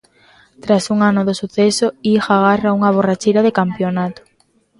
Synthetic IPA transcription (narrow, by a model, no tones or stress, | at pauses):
t̪ɾasuŋanoðosuθesoixaɣ̞arauŋaβ̞orat͡ʃejɾaðekampjonat̪o̥